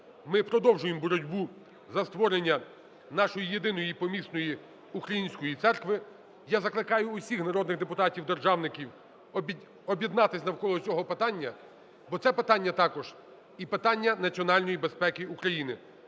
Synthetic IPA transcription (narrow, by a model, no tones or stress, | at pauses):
mɪpɾɔd̪ɔwʒʊjembɔɾɔdʲbu | zɐst̪ʋɔɾenʲːɐ | nɑʃɔjijed̪ɪnɔjipɔmʲisnɔji | ukɾɐjinʲsʲkɔjit̪sɛrkʋɪ | jazɐklˠɪkɑjʊːsʲixnɐɾɔd̪nɪɣd̪epʊt̪ɑtʲiwd̪erʒɑwnɪkʲiwʲ | ɔbʲjed̪nɑt̪ɪsʲnɐwkɔlˠɔt͡sʲɔɦɔpɪt̪ɑnʲːɐ | bɔt̪sɛpɪt̪ɑnʲːɐt̪ɑkɔʒ̥ | ipɪt̪ɑnʲːɐnɐt͡sʲiɔnɑlʲnɔjibe̞spɛkɪukɾɐjinɪ